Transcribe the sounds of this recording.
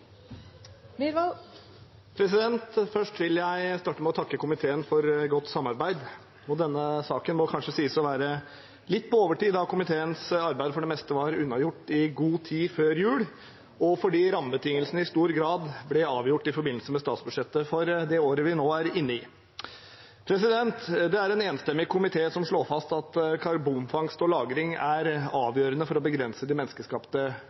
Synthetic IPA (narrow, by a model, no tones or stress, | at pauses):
pʰɾɛs̬ɪd̪ɛnt̪fœʂʈʋɪljæɪst̪ɑːʈːəmɛɔt̪ʰɑkːəkʊmɪt̪ʰeːənfɔɾɡɔt̪ːsɑmːɑɾbæɪd̪ | ɔd̪ɛnːəsɑːkənmɔkʰɑnʂəsiːəsɔʋæːɾə | lɪt̪ːpʰɔoːʋəʈiːd̪ɑkʊmɪt̪ʰeːənsɑɾbæɪd̪əfɔɖɛmɛst̪əʋɑɾʉnːɑjʊʈːɪɡuːt̪ʰiːføːɾjʉːɽ | ɔfɔɖiːɾɑməbət̪ʰɪŋːəlsən̩əɪst̪uːɾɡɾɑːd̪blɛɑːʋjʊʈːɪfɔɾbɪnl̩səmɛst̪ɑːt̪sbʉdʂɛt̪ːəfɔɾd̪ɛoːɾəʋɪnoːæɾɪnːəɪː | pʰɾɛsɪd̪ɛnt̪d̪ɛæɾɛneːnst̪ɛmːɪɡkʰʊmɪt̪ʰeːsɔmʂɭoːfɑst̪ɑt̪kʰɑɾbunfɑŋst̪ɔlɑːɡɾɪŋæɾɑːʋjøːɾənəfɔɾɔbəɡɾɛnsəd̪ɪmɛnskəʂkɑpt̪ə